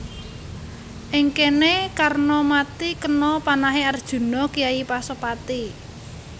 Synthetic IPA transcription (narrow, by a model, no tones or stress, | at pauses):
ʔɪŋkenekarnɔmat̪ikənɔpanaɦeard̥ʒ̥ṳnɔkijaipasɔpat̪i